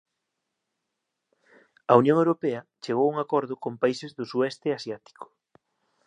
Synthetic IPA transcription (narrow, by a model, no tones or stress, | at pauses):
ɐunjõŋewɾopeɐt͡ʃeɣ̞owuŋakɔɾðʊkompaisezðʊsuɛst̪easjat̪i̥kʊ̥